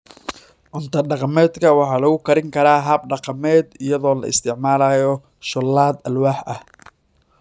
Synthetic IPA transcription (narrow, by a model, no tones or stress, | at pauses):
ʔʊnt̪ʰɐɖɑqɑmɛːd̪kʰɐwɑħɑːlɐɣʊkʰɐɾɪŋkʰɐɾaːɦɐb̚ɖɑqɑmɛːd̪ɪjɐðɔːlɐ̰ʔɪ̰st̪ʰɪʕmaːlaːjɔ | ʃʊlːaːd̪ɐlwaːħʔɐh